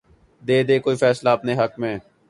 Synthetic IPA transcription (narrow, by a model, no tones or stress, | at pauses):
d̪eːd̪eːkoːiːfɛːslaəpneːɦəkmẽː